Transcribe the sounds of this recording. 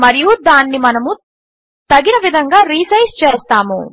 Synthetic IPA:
mɐɾijud̪aːnːimɐnɐmu | t̪ɐɡinɐʋid̪ʱɐŋɡaːɾiːsɐjst͡ʃeːst̪aːmṵ

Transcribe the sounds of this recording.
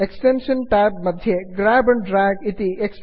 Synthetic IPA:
eksʈenʃənʈaːbmɐd̪ʱjeɡɾaːbɐɳɖɾaːɡit̪ieks

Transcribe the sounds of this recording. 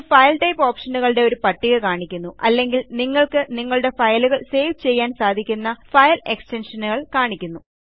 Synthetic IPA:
fɐjlʈɐjpːo̞ːpʂɐnːuɣɐɭɽe̞o̞ɾupɐʈːiɣɐkaːɳikʲːunːuʔɐlːe̞ŋɡilniŋːɐɭkɨniŋːɐɭuɽe̞fɐjluɣɐɭseːʋt͡ɕe̞jːaːnsaːd̪ʱikʲːunːɐfɐjle̞kste̞nʂɐnuɣɐɭkaːɳikʲːunːu

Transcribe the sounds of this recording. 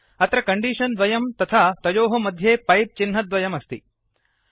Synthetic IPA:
ɐt̪ɾɐkɐɳɖiːʃɐnd̪ʋɐjɐmt̪ɐt̪ʰaːt̪ɐjoːɦɐmɐd̪ʱjeːpɐjp̪̚t͡ʃinɦɐd̪ʋɐjɐmɐst̪i

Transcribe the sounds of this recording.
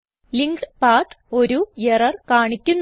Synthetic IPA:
liŋɡɨpaːt̪o̞ɾujerɐrkaːɳikʲːunː

